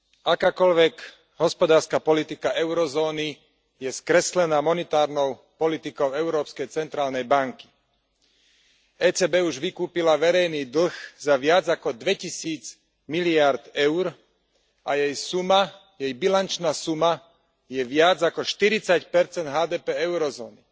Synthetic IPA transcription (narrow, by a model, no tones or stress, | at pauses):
akaːkɔlʋɛɡ | ɦɔspɔd̪aːɾskapɔlit̪ikaʔɛʊɾɔzɔːni | jɛskɾɛslɛnaːmɔnɛt̪aːɾnɔʊ | pɔlit̪ikɔʊɛʊɾɔːpskɛjt͡sɛnt̪ɾaːlnɛjbaŋki̥ | ɛːt͡sɛːbɛːuʒʋikuːpilaʋɛɾɛjniːd̪l̩ɣzaʋɪad͡zakɔd̪ʋɛcisiːd͡z | miliaɾd̪ɛʊɾ | ajɛjsuma | jɛjbilant͡ʃnaːsuma | jɛʋɪad͡zakɔʃt̪iɾit͡sacpɛɾt͡sɛnd̪ɦaːd̪ɛːpɛɛʊɾɔzɔːni